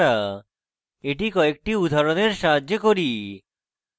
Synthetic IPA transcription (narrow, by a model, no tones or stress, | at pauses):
ɾa | eʈikɔek̚ʈiud̪ʱaɾoneɾʃaɦad͡ʑːokoɾi